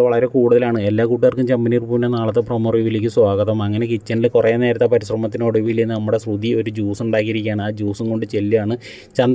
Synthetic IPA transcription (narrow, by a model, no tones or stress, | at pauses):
ʋɐɭɐɾe̞kuːɽuðɐlaːɳɨe̞lːaːkuːʈiɐrkːumt͡ɕɐmbiniːrpuːʋinːenaːɭɐt̪ːepromoriʋilikʲːɨswaːɣɐtðɐmɐŋːɐne̞kit͡ɕːɐnilkurɐjneːɾɐt̪ːɐpɐɾiɕrɐmɐt̪̬ːineoɽuʋilinːɨnɐmːuɽe̞srud̪io̞ɾud͡ʑuːsuɳɖaːkːiɾikʲːaːɳaːd͡ʑuːsuŋko̞ɳɖɨt͡ɕelːiaːɳɨ | t͡ɕɐnd̪